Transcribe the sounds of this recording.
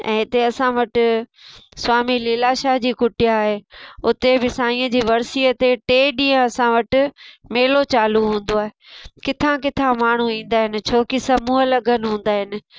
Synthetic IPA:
ɛ̰̃ːɪt̪eɐsãʋɐʈɪ̆ | swaːmiliːlaʃaːɦd͡ʑiːkʊʈɪjaːɦeʊt̪ebɪsaːĩə̃d͡ʑiːʋɐɾsiːət̪eʈeːɗĩːə̃ɐsãʋɐʈɪ̆meːlot͡ɕaːluɦũːn̆d̪oaːɦe | kɪt̪ʰãkɪt̪ʰãmaːɳ̤uĩːn̆d̪aːɦɪnɪ̆t͡ɕʰoːkisɐmuːɦəlɐɡənɪ̆ɦũːn̆d̪aːɦɪnɪ̆

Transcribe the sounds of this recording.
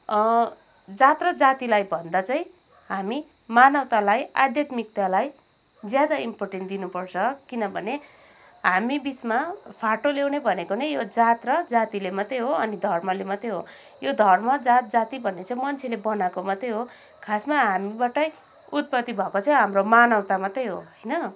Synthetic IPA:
d͡zat̪rʌd͡zat̪ilajbʱʌnd̪at͡sʌĩ | ɦami | manʌwt̪alaja̰d̪jat̪mik̚t̪jalaj | d͡zjad̪aimporʈenʈd̪inupʌrt͡sʰʌkinʌbʱʌne | ɦamibit͡smapʰaʈolewnebʱʌnekonejjod͡zat̪rʌd͡zat̪ilemʌt̪ejɦoʌnid̪ʱʌrmʌlemʌt̪eɦo | jod̪ʱʌrmʌd͡zat̪̚d͡zat̪ibʱʌnːet͡saĩmʌnt͡sʰelebʌnakomʌt̪ejɦo | kʰasmaɦamibaʈʌj | ut̪̚pʌt̪ːibʱʌkot͡saj̃ɦamromanawt̪amat̪ʌjɦoɦʌjnʌ

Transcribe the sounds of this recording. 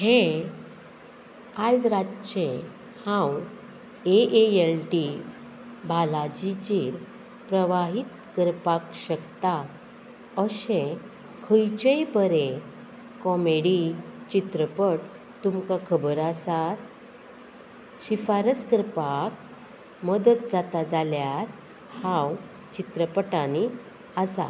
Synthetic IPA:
he | ad͡zɾatt͡ɕẽ | hãw | eeelʈi | bʱalad͡ʑit͡ɕiɾ | pɾəʋaɦit̪kəɾpakɕəkt̪a | əɕẽ | kʰəjt͡ɕejpəɾe | kɔmeɽit͡ɕit̪ɾəpəʈ | t̪umkakʰəbəɾasat̪ | ɕifaɾəskəɾpak | məd̪ət̪̚d͡zat̪ad͡zaljaɾ | hãw | t͡ɕit̪ɾəpəʈãni | asa̰

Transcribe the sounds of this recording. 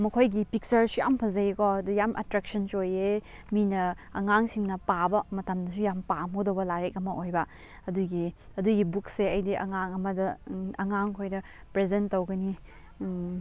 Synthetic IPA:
mɐkʰojɡipik̚t͡ʃɐɾsujampʰɐzɐjekɔɐdujamʔɐ̰tɾek̚sɐnsoje | minɐ | ɐŋaŋsiŋnɐpabɐmɐtamdɐsujampamodowbɐlaɾek̚ɐmɐʔojbɐ | ɐduɡiɐduɡibukseɐjdiʔɐ̰ŋaŋɐmɐdɐɐŋaŋkʰojɾɐ | pɾezentːowɡɐni

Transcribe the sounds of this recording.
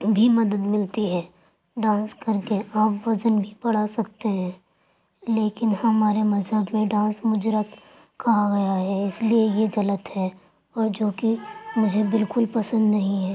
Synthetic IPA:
bʱimɐd̪əd̪mɪlt̪iɦɛː | ɖãːskɐɾkeʔaːpʋɐzənbʱipɐɽ̤asɐk̚t̪eɦɛ̃ː | leːkɪnhɐmaːɾemɐzɦəbmẽɖãːsmʊd͡ʒɾək | kɐɦaɡɐjaɦɛɪsliejeɣɐlət̪ɦɛ | ɔːɾd͡ʒoːkimʊd͡ʒʱebɪlkʊlpɐsə̃nd̪nɐɦĩɦɛː

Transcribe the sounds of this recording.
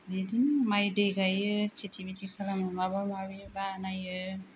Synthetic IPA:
lidiŋmajdeɡajɯkʰetʰibitʰikʰalamɯŋaβamawibanajɯ

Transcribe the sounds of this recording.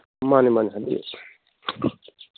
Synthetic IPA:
manimaniɦad̪ḭ

